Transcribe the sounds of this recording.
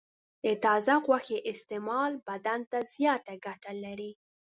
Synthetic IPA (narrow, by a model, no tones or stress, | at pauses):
et̪ɑzaɣwaxeʔɪst̪emɑlbad̪ant̪azjɑt̪aɡaʈalaɾi